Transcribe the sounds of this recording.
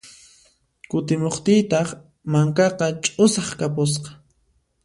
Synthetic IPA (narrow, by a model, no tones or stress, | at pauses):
kʊt̪ɪmoχt̪ɪjt̪ɑχ | maŋkɑqɑt͡ʃʼʊsɑχkapʊs̬qɑ̥